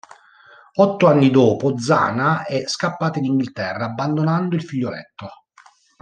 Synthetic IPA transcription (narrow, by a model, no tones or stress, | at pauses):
ɔt̪ːoanːid̪oːpod̪za̰ːnaɛskapːaːt̪əd̪iŋɡilt̪ɛrːaːbːand̪onand̪oilfiʎːolɛ̰t̪ːo